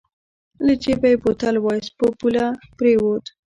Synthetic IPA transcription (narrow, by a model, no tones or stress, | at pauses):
lət͡ʃebajepot̪alwɑjspopulapɾewod̪